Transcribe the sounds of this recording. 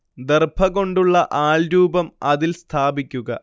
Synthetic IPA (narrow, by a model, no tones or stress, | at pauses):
d̪erbʱʰɐɣo̞ɳɖuɭːɐʔaːɭɾuːbɐmɐðilst̪ʰaːbikʲːuɣɐ